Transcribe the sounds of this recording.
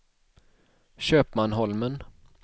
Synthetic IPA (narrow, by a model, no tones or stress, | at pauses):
ɕøːpmanɦɔlmən